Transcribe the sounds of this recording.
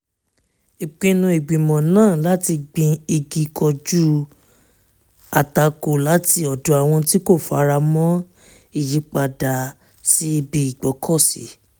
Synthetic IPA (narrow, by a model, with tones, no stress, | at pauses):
i˨k͡pĩ˧nũ˧i˨ɡ͡bĩ˨mɔ̃˨nãː˦˨la˦ti˧ɡ͡bĩ˧i˧ɡi˧kʰɔ˧d͡ʒu˦ | a˨ta˨˧ko˨la˨˦ti˧˦ɔ˨dɔ˨˦a˨w̃ɔ̃˧ti˦ko˦˨fa̰˨˧ɾa˧mɔ̃˦ | i˦˨ji˨˧˦k͡pa˧da˨ | si˦i˧bi˧i˨ɡ͡bɔ˨˦kʰɔ˦˨sḭ˨˦